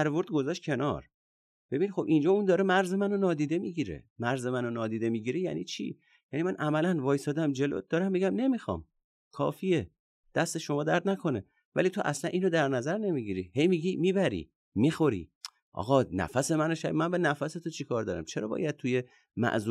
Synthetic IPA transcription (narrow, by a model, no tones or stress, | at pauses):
æɾvoɾd̪̚ɡo̞zɒʃt̪̚cʰe̞nɒɾ | b̥e̞binxo̞bʔind͡ʒɒːund̪ɒːɾemæɾze̞mæno̞nɒːd̪iːd̪e̞miɟiɾe̞̰mæɾzemænonɒːd̪iːd̪e̞miɟiɾejæ̰niːt͡ʃʰḭ | jænimænʔæmælænvɒːjsɒːd̪æmd͡ʒe̞lo̰d̪̥ɒːɾæmːiɡæmne̞mixɒ̰ːm | kʰɒ̰ːfie | d̪̥æst̪e̞ʃo̞mɒːd̪æɾd̪nækʰo̞ne̞ | væ̰liːt̪ʰoʔæslænʔinod̪æɾnæzæɾne̞miɡiɾihe̞jmiɡimiːbæɾḭ | mixo̞ɾḭ | ʔɒ̰ːɣɒnæ̰fæse̞mænoʃæ̰bmænbenæfæse̞t̪ʰot͡ʃʰikʰɒːɾd̪ɒ̰ɾæ̰mt͡ʃʰeɾɒ̰ːbɒ̰ːjæd̪̥̚t̪ʰuje̞ | mæ̰ʔzu